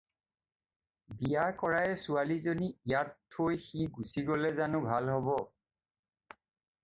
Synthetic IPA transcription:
bijakɔɹajɛsualizoniijatʰːojxiɡusiɡɔlɛzanʊ̃bʱalɦɔbɔ

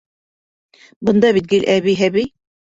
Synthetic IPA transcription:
bɤ̆nd̪ɑβit̪̚ɡɘlʔæβijɦæβij

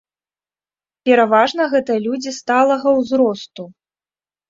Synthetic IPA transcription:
pʲɛɾavaʐnɐɣɛt̪ɐlʲud͡zʲist̪alˠɐɣɐwzɾɔst̪u

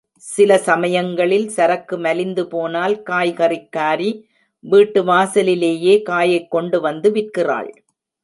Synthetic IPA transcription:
sɪlɐsɐmɐjɐŋɡɐɭɪlsɐɾɐkːɯmɐlɪnd̪ɯpoːnaːlkaːjɣɐrɪkːaːɾi | ʋiːʈːɯʋaːsɐlɪleːjeːkaːjɐɪkːɔɳɖɯʋɐnd̪ɯʋɪrkɪra̰ːɭ

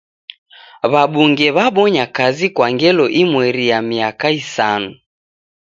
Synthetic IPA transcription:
βaɓuŋɡɛβaɓɔɲakazikwaŋɡɛlɔʔimwɛɾijamiakaisanu

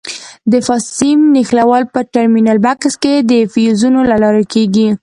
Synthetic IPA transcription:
d̪əfɑsimnixlawɑlpəʈaɾminalbaksked̪əfijuzunolalɑɾakeɡi

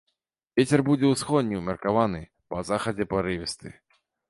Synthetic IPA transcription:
vʲet͡sʲɛrbud͡zʲɛwsxɔd̪ʲnʲiwmʲɐrkavanɨ | pɐzaxɐd͡zʲɛpɐɾɨvʲɛst̪ɨ̰

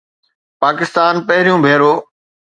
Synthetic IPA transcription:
paːkɪst̪aːnpəɦɪɾijũːbʱeːɾoː

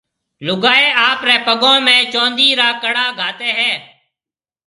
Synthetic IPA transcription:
lʊɡaːeːaːpɾɛ̃ːpəɡõːmɛ̃ːt͡ʃõːnd̪iːɾaːkəɽaːɡʱaːt̪eːɦɛː

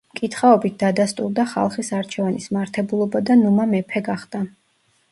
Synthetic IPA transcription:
mkʼit̪ʰχaɔbit̪̚ʰd̪̥ad̪ast̪ʼuɾd̪aχa̰lˠχisaɾt͡ʃʰɛvanismaɾt̪ʰɛbulˠɔbad̪anumamɛpʰɛɡaχd̪a

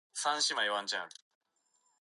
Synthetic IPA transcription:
sãnɕimajwant͡ɕãn

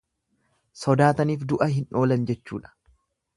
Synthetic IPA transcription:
sɔd̪aːt̪ɐniːfd̪ʊʔɐɦɪno̞ːlɐnd͡ʒɛt͡ʃːṵːᶑɐ̥

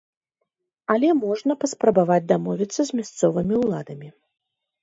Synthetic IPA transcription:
ɐlʲɛmɔʐnɐpɐspɾɐbavad͡zʲd̪amɔvʲit̪sːɐzʲmʲast̪sɔvɨmʲiwlˠad̪ɐmʲi

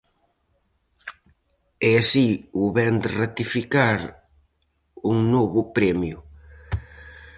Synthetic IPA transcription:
ɛasiuβɛnd̪rat̪ifikaɾ | uŋnɔβʊpɾɛmjʊ

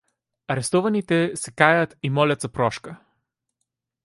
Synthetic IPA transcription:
ɐɾɛst̪ɔvɐnit̪ɛsɛkajat̪imɔlʲɐt̪zɐpɾɔʃkə

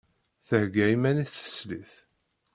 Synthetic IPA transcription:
θəhɡæimæniθːə̥sliθ

